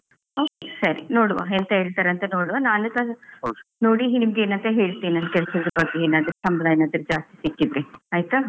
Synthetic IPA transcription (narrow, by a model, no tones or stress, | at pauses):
oːkesɐɾinoːɽʋa̰ent̪ɐɦeːɭt̪aːɾɐnt̪enoːɽuʋaːnaːnut̪ɐ | noːɽinimɡe̞ːnɐnt̪ɐɦe̞ːɭt̪iːinaːnkɛɭsɐɡ̪ɾbɐɡːeeːnaːd̪ɐɾsɐmɐd̪aːjɐnaːd̪ɐɾd͡ʒaːst̪i̥sikːid̪ɾeaːjt̪u